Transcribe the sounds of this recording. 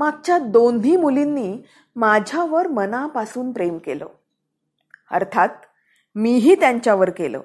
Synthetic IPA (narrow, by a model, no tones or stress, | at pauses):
maɡ̚t͡ɕjad̪onʱiːmulinːiː | mad͡ʑʱaʋəɾmənapasuːnpɾemkelo̰ | ə̰ɾt̪ʰat̪̚ | miɦiːt̪jaɲt͡ɕjaʋəɾkelo̰